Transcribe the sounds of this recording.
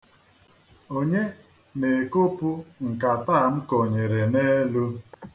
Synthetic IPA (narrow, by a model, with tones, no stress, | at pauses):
o˦ɲe˦ | ne˨ko˦pu˦ŋ̩˨ka˨ta˦˨m̩˦ko˨ɲe˨ɾe˨ne˦lu˦